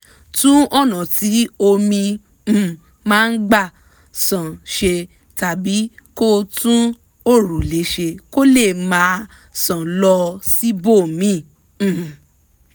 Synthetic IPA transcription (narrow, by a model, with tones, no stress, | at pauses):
tũ˦ɔ˦˨nã˨ti˨˦o˧mĩ˧˨ | mãː˦˧n̩˦ɡ͡ba˦˨ | sã˨ʃe˧ | ta˨bi˨˦ko˦tũ˦ | o˦˨ɾu˨le˨˦ʃe˧ko˦le˦˨mã˨˦ | sã˨lɔ˧si˦bo˦˨mĩ˦˨